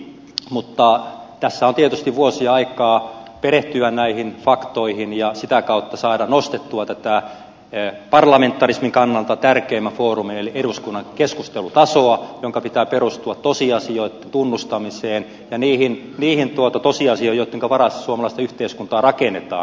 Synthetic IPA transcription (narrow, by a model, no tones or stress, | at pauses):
mut̪ːɑt̪æsːæont̪iet̪yst̪iʋʋuosiɑikɑːpeɾeht̪yʋænnæihinfɑkt̪oihinjɑsit̪ækɑut̪ːɑsɑːɾɑnost̪et̪ːuɑt̪æt̪æ | pɑrlɑment̪ːɑrismiŋkɑnːɑlt̪ɑt̪ærkeːmːæfoːrumineliʔeɾuskunːɑŋkeskust̪elut̪ɑsoɑjoŋkɑpit̪æːperust̪uɑt̪tosiɑsioit̪ːent̪unːust̪ɑmiseːn | jɑniːhin | niːhint̪uot̪ɑt̪osiɑsioijoit̪ːeŋkɑʋɑrɑst̪suomɑlɑˑist̪ɑyht̪eiskunt̪ɑːrɑkenet̪ɑ̰ːn